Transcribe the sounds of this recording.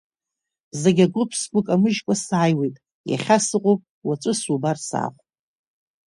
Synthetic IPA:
zeɡʲaɡʷʊpʰskʷʼʊkʼamɨʒkʷʼasaːjwejtʼ | ja̰χʲasɨqʷʼopʼ | wat͡ʃʷʼɨsubarsa̰ːχʷʼ

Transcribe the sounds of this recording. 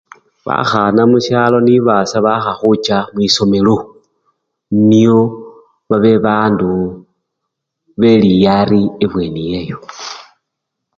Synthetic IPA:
βa̰xanamuʃjaːlo̞niβasaβaxaxut͡ʃamwiso̞me̞lo | nio̞ | βaβe̞βaːndu | βelijaɾieβwe̞nije̞jo̞

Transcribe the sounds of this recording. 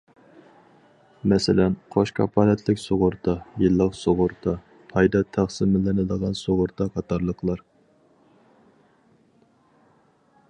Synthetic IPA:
mɛsɪlɛnqʰoʃkʰɑ̰pʰɑːlɛt̪ʰlɪkʲsoʁʊɾt̪ʰɑjɨlˠːəqsoʁʊɾt̪ʰɑ | pʰɑjd̪ɑt̪ʰæχsɪmɪlɪnɨd̪əʁɑnsoʁʊɾt̪ʰɑqʰɑt̪ʰɑɾlˠəqʰlˠɑɾ

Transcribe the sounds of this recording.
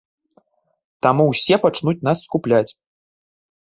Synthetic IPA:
t̪amuwsʲɛpat͡ʂnut͡sʲn̪asːkuplʲat͡sʲ

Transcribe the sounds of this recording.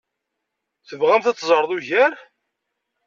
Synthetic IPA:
θəvʁæmθæt͡sːzˤəɾˤðˤuʝæɾ

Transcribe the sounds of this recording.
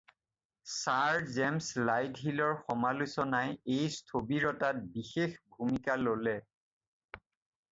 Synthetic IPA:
saɹzɛmslajdɦilɔɹxɔmalusɔnajejstʰobiɹɔtat̚bixexbʱumikalolɛ

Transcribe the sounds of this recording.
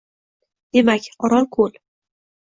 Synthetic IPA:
d̪̥e̞makʲɒɾɒlˠkʰɵl

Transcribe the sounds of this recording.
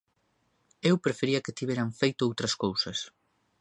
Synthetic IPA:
ewpɾefeɾiɐket̪iβeɾaɱfejt̪ʊowt̪ɾɐskowsɐs

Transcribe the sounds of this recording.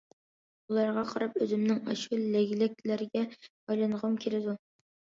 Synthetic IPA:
ulˠɑɾʁɑqʰɑɾɑpøzɪmnɪŋɑ̰ʃulːɛɡʲlɪk̚ʲlæɾɪɡʲɛ | ɑjlˠɑnʁəmkʲʰelɪd̪u

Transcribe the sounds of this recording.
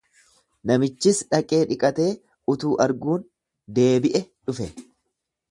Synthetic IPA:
nɐmɪt͡ʃːɪsᶑɐkʼe̞ːᶑɪkʼɐt̪e̞ː | ʊt̪uːʔɐɾɡuːn | d̪e̞ːbɪʔɛᶑʊfɛ

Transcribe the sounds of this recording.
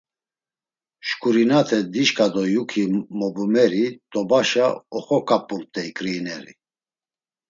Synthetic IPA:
ʃkʼuɾinat̪ʰɛd̪iʃkʼad̪ɔjukʰimɔbumɛɾit̪ʼɔbaʃaɔχɔkʼapʼumt̪ʼɛikʼɾinɛɾḭ

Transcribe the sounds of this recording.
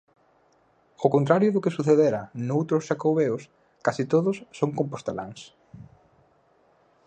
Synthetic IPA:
okont̪ɾaɾjʊðʊkesuθeðeɾɐnowt̪ɾʊsʃakowβeos | kasit̪oðʊsːoŋkõmpost̪ela̰ŋs

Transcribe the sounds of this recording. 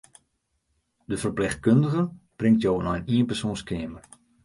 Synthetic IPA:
dəfərplɪxt̚køndəɣənb̥rɪŋtjoːwənɔjniənpɛrsoːnskeːmər

